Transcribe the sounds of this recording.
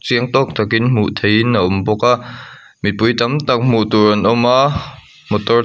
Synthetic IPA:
t͡siəŋt̪ɔk̚t̪ʰakinm̥uʔt̪ʰejnːaʔʊmbɔka | mit̪̚pujt̪amt̪ak̚m̥uʔt̪uɾɐnɔma | mɔt̪ɔ

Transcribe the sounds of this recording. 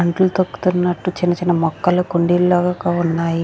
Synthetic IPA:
ɐɳʈlut̪okːu̥t̪unːɐʈːut͡ʃinɐt͡ʃinɐmɔkːɐlukoɳɖillaːɡakaunːaːji

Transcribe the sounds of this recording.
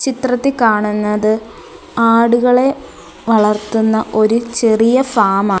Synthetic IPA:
t͡ɕit̪rɐt̪ːikaːɳunːɐðɨ | aːɽuɣɐɭe̞ | ʋɐɭɐrt̪unːɐʔo̞ɾut͡ɕe̞rijɐfaːmaː

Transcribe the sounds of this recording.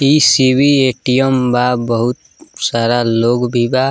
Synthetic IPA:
isibʱieʈijəmbabəɦut̪̚ | saɾaloɡbʱiba

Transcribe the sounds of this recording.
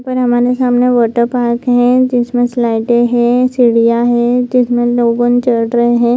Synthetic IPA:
pɐɾɦɐmaːɾesaːmneʋəɾʈəpaːɾkɦɛ̃d͡ʒɪsmẽslaːɪʈeɦɛ̃siːɽijaɦɛ̃d͡ʒɪsmẽloːɡõnt͡ʃɐɽɾɐɦeɦɛ̃ː

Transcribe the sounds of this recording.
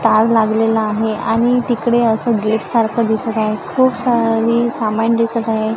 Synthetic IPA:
t̪aɾlaɡlelaːɦeaɽ̃it̪ikɽeəsəːɡeʈsaɾkʰəd̪isət̪aɦekʰuːpsaɾiːsamand̪isət̪aɦe

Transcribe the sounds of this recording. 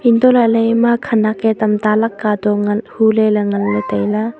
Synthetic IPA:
int̪ɔlalejmakʰɐnakɛt̪ɐmt̪alɐkːaːd̪ɔŋɐnhulɛlɐŋɐnlet̪ejla

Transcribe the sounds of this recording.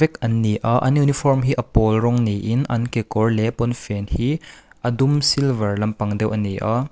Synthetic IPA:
vɛk̚ɐnːiʔaʔɐ̰njunifɔrmɦiːʔɐpɔlrɔŋniʔinʔɐnkekɔrlɛpɔnfɛnhiːʔɐdumsilvɐrlɐmpɐŋdɛwʔɐnːiʔa

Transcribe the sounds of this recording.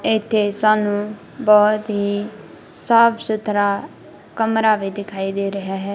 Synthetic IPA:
ɪt̪ʰːeːsaːnũː | bɔːt̪ɦiː | səbsʊt̪ʰɾaː | kəmɾaːʋiːd̪ɪkʰaːiːd̪eːɾəɦaːɦɛː

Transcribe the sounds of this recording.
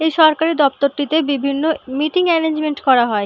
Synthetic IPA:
ejʃɔɾkaɾeɾd̪ɔp̚t̪oɾʈit̪ebibʱinːomiʈiŋmɛnend͡ʑmeɳʈkɔɾaɦɔe

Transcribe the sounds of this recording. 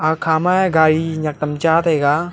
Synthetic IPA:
aːkʰaːmaɛɡaːɾinɐk̚t̪ɐmt͡ʃaːt̪ɦeːɡaː

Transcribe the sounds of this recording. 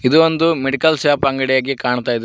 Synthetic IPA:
id̪uond̪umeɖikɐlsjaːpɐŋɡɐɽɛjaːɡikaːɳt̪aːjid̪

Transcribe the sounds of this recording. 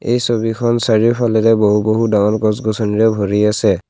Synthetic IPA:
ejsobikʰɔnsaɹipʰalɛɾɛboɦuboɦudaŋɔlkɔsɡɔsɔniɹɛbʱoɹiasɛ

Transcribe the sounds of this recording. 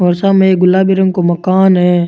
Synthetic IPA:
ɔːɾsameeɡʊlːaːbiɾə̃ŋkomɐkaːnɦɛː

